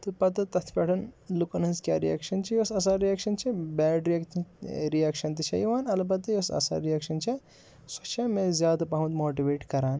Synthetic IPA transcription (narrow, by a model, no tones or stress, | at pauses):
t̪ɨpɐt̪ɨt̪ɐt̪ʰpʲeʈʰɐnlukɐnɐnzkʲja̰ːɾija̰ːkʃɐnt͡ʃʰijosɐs̬aːɾijaːkʃɐnt͡ʃʰibɛːɖɾijakt̪ɾijaːkʃɐnt̪iʃʰɐjiʋaːnɐlɐbɐd̪ɨjosɐ̰sa̰ːɾijaːkʃɐnt͡ʃʰɐ | sɐt͡ʃʰɐmezjaːd̪ɐpɐɦmɐt̪moːʈiʋeːʈkɐɾaːn